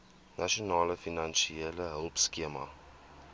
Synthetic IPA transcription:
nʔaʃionɑːləfinanʃieləɦəlˠpskiəmɐ̰

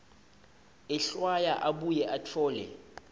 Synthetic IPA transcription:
ɛɬwajaʔaɓujɛʔatʰɔːlɛ̰

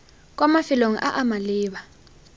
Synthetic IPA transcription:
k̬ʼwamafiloŋ̩ʔaʔamaliːɓa

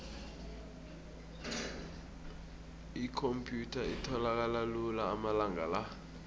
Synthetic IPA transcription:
ikʰompʰʼjutʰaitʰɔlak̬alalulaːmalaŋala

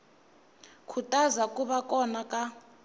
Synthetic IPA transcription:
kʰutʼazakʼuɓakʼɔnakʼa

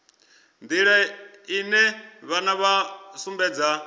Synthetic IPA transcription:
nd̪iɺɛinɛβanaβasumbɛːd͡za

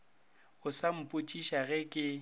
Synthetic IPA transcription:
ʊsam̩pʼʊt͡ʃʼiʃaɣɛkʼɪ

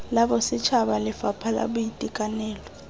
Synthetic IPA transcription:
laɓɔsit͡ʃʰaɓalɪfapʰala̰ɓujitʼikʼanɛːlɔ

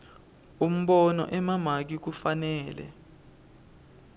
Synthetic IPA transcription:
um̩ɓɔnɔ̰ʔɛmamak̬ik̬ufanɛːlɛ̰

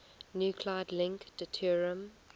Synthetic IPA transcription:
njuːkʰlaɪdlɪ̃ŋkdətʰiɹiə̃m

